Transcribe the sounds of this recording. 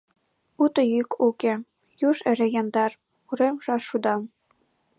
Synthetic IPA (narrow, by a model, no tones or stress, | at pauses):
ut̪ɤ̆jykuke | juʃɘ̆ɾĕjɑnd̪ɑr | uɾemʒɑʃud̪ɑm